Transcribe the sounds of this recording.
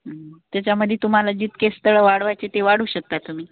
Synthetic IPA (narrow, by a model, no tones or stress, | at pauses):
t̪jat͡ɕjaməd̪ʱːjet̪um̤alad͡ʑiːt̪kest̪əɭəʋaɽʋajt͡set̪eʋaɽuːɕək̚t̪at̪ːum̤iː